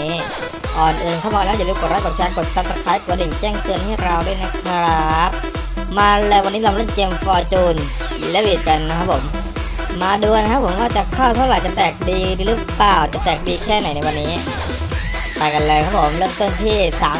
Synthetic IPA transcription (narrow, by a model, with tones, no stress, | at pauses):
iː˦˥ | ʔɔː˨˩nʔɯː˧nkʰa˥˩mɔː˧lɛː˦˥˩ju˨˩lɯː˧˦mku˨˩˦ɾa˦˥ko˨˩t̪̚t͡ɕʰaː˧ŋko˨˩t̪̚saː˧˦˥t̪a˧˥kʰaː˨˦˥jku˨˩˦ni˨˩˦ŋkɛː˥˩ŋt̪ɯ˧ənhʰaː˥˩jɾa˧wduː˥˩˨na˦˥˩kʰɾa˦˥k̚ | maː˧lɤː˧jwa˧nːiː˦˥la˧mlɯ˥˩nke˧mfɔː˧t͡ɕuː˧n | lɛː˦˥wʔiː˨˩t̪̚ka˧nːa˦kʰa˦˥pʰːo˩˦mː | aː˧duː˧na˦˥kʰa˥pʰːo˩˦mkɔː˥˩t͡ɕa˨˩kʰaː˥˩wt̪ʰa˥˩wɾa˨˩jt͡ɕa˨˩t̪ɛː˨˩k̚diː˧ɾlɯː˦˥plaː˨˩wt͡ɕa˨˩t̪ɛː˨˩k̚diː˧kʰɛː˥˩na˨˩˦jna˧jwa˧nːiː˦˥ | t̪aː˨˩jka˧nlɤ˧kʰa˦˥pʰo˩˦mlɯː˥˩mt̪o˥˩nt̪ʰiː˥˩saː˨˦